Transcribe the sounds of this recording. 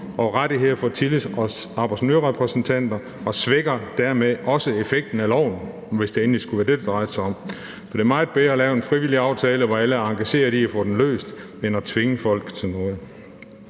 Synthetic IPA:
ʔɒ̽ʁaɾ̥iɦe̝ð̰ˠɐfɒ̽t͡sʰilisɑ̈b̥ɑsnøɐʁɛpʰʁɛsn̩t͡sʰæn̰d̥ɐ | ɒ̽sʋeɡ̥ɐd̥æɐ̰meðˠɒ̽səefeɡ̥̚d̥n̩ælɒʊ̰n̩ | ʋe̝sd̥ee̝ːnlisɡ̥uʋæɐd̥e̝d̥ɑd̥ʁɑ̈ɪəsɑɒ̽m̰ | fɒd̥e̝ɐmɑ̈ɪð̩ˠb̥eɐːlɛːʊenfʁiʋiliɑ̈ʊt͡sʰɛːləʋɒæləæɑ̈ŋɡ̥æɕe̝̰ːɐd̥iæfɔ̽ːd̥enlø̰ːsd̥ | enæt͡sʰʋe̝ŋəfɒ̽l̰ɡ̥t͡sʰe̝lnɔ̽ːð̩ˠ

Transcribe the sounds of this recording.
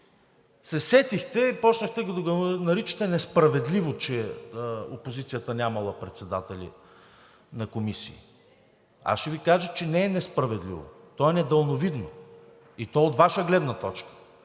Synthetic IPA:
sɛsɛt̪ixt̪ɛipɔt͡ʃnəxt̪ɛɡod̪ɡonɐɾit͡ʃə̥t̪ɛnɛspɾɐvɛd̪livot͡ʃɛ | opozit̪sijət̪ənʲamɐlˠəpɾɛt̪sɛd̪at̪ɛlʲḭ | nɐkomisḭː | a̰sʃɛvikaʒət͡ʃɛnɛːnɛspɾɐvɛd̪lḭvo̰ | t̪ɔɛnɛd̪əlˠnovid̪no | it̪ɔɛot̪vaʃəɡlɛd̪nɐt̪ɔt͡ʃkə̥

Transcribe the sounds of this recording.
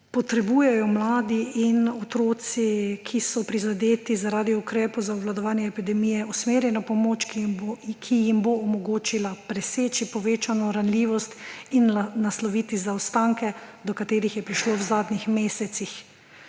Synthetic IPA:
pɔt̪ɾɛbuːjɛjɔmlaːd̪iinɔt̪ɾoːt̪sikʰisɔpɾizad̪eːt̪izaɾaːd̪iukɾɛːpɔzauʋlad̪ɔʋaːnjɛːpid̪ɛmijɛusmeːɾjɛnapɔmoːt͡ʃkkʰijimboːmɔɡoːt͡ʃilapɾɛseːt͡ʃipɔʋeːt͡ʃanɔɾanliːʋɔst̪innaslɔʋiːt̪izawst̪aŋkɛd̪ɔkat̪eːɾixjɛpɾiʃloːwzaːd̪nixmeːsɛt̪six

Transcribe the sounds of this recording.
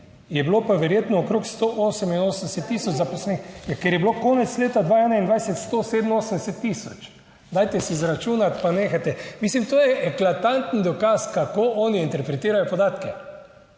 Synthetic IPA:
jɛblopaʋɛɾjeːt̪nɔːkɾoːkst̪oʔoːsɛminoːsənd̪ɛsɛt̪ːiːsɔd͡ʒzapɔslɛnixjakjɛɾjɛblokoːnɛt̪sleːt̪ad̪ʋaɛnaind̪ʋajsɛt̪st̪osed̪əmoːsənd̪ɛsɛt̪ːisɔt͡ʃ | d̪aːjt̪ɛsizɾat͡ʃuːnat̪paneːxat̪ɛmislimt̪oːjɛʔɛklat̪ant̪nd̪ɔkaskakoːʔɔːniint̪ɛɾpɾɛt̪iːɾajɔpɔd̪aːt̪kɛ

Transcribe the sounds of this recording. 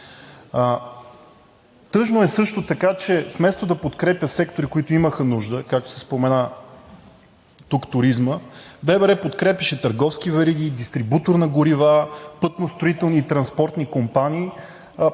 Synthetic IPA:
t̪ɤʒnoɛsɤʃt̪ot̪ɐkat͡ʃɛfmɛst̪od̪ɐpot̪kɾɛpʲjəsɛkt̪oɾikoit̪ʊiməxənuʒd̪əkak̚t̪o̥sɛspomɛna | t̪ukt̪ʊɾizməbɛbɛɾɛpot̪kɾɛpʲɛʃɛt̪əɾɡɔfsk̟ivɛɾiɡ̪id̪ist̪ɾibut̪oɾnɐɡʊɾivapɤt̪nost̪ɾoit̪ɛlˠniːt̪ɾɐnspɔɾt̪nikompaniː

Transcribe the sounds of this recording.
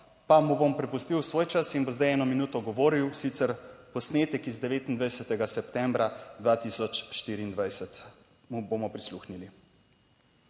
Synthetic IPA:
pamubompɾɛpust̪iwsʋoːjt͡ʃasinbomzd̪ajɛːnɔminuːt̪ɔɡɔʋoːɾiwsit̪sɛɾpɔsneːt̪ɛkizd̪ɛʋeːt̪ind̪ʋajsɛt̪ɛɡasɛpt̪ɛmbɾad̪ʋaːt̪isɔt͡ʃʃt̪iːɾiːnd̪ʋajsɛt̪ | mubomɔpɾisluxnili

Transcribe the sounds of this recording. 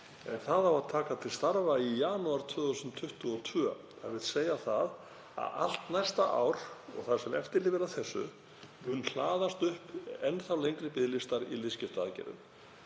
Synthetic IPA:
ɛnθaðavaðt̪ʰaːkat̪ʰɪlst̪aɾvaijaːnuaɾ̥t̪ʰvœːðθusʏnt̪ʰʏht̪ʏɔt̪ʰvœː | a̰vɪðseːjaθað | a̰ða̰l̥t̪najst̪aʔa̰wɾ̥ɔ̰ɣθḁsɛmɛft̪ɪɾlɪvɪɾaθɛsːʏ̰ | mʏnːl̥aːðast̪ʏhpɛnːθawlejŋkɾɪpɪðlɪst̪aɾḭlɪscɪft̪aðcɛ̰ɾʏ̰m

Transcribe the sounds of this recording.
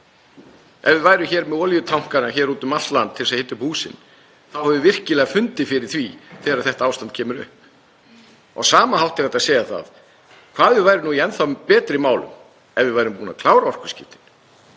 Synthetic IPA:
ɛ̰vɪvaːjɾʏmçɛːɾmɛɔːljʏt̪ʰawŋ̥kanaçɛːɾuːt̪ʏmalt̪lant̪ʰɪlsahɪt̪ːʏphuːsɪ̰n | θawhɛvʏvɪr̥cɪlɛːɣafʏnt̪ɪfɪɾɪ̥θviθɛːɾaɾθɛht̪aaːwst̪ant̪̚cʰɛːmʏɾʏ̰hp̚ | ɔ̰ɣsaːmaɦawht̪ɪat̪asɛːjaθa̰ð | kʰv̥aːðvɪðvajɾʏnuːiɛnθawpɛːt̪ɾɪmaːwlʏ̰m | ɛvɪvajɾʏmpuːna̰kʰlaːwɾaɔr̥kʏ̥scɪft̪ɪn

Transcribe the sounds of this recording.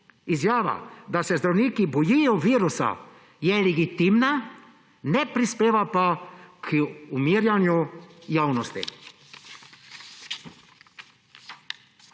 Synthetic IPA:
izjaːʋa̰d̪asɛzd̪ɾawniːkibɔjijɔʋiːɾusa̰ | jɛlɛɡit̪iːmna | nɛpɾispeːʋapakʰumiːɾjanjujaːwnɔst̪ḭ

